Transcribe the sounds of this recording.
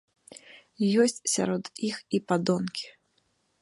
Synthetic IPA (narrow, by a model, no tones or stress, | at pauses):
jɔsʲt͡sʲsʲa̰ɾɔd̪ixipad̪ɔnkʲi̥